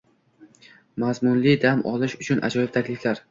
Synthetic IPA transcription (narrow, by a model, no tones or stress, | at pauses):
mazmʊnlɪd̪amʔɒlɪʃʊt͡ʃʰʊnʔa̰d͡ʒɒjɪb̚t̪ʰakʲlɪflaɾ